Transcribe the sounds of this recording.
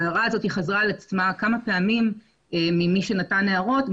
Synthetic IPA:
aʁaazo̞tiχazʁalat͡smakamape̞amim | eːimiʃe̞nataneaʁo̞t

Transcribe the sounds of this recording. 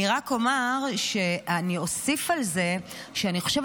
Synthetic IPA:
iʁakomaʁʃe̞ʔanio̞sifalze̞ | ʃeaniχoʃev

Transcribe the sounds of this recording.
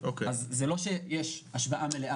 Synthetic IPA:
okeazzelo̞ʃejɛʃaʃbaʔameleʔa

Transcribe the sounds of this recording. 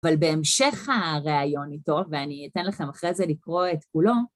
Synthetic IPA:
valbe̞ːmʃe̞χhaʁeajo̞nito̞veaniitenlaχe̞maχʁezelikʁo̞etkulo̞

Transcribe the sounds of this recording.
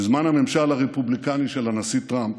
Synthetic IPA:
izmanhame̞mʃalaʁepublikaniʃelanasit̪ʁamp

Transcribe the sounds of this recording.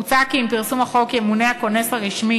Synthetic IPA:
ut͡sakiːmpiʁsumaχo̞kemunehako̞ne̞saʁiʃmi

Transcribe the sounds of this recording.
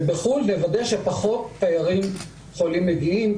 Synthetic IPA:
beχulːevad̪eʃepaχo̞t̚ːajaʁim | χolimːeɡiim

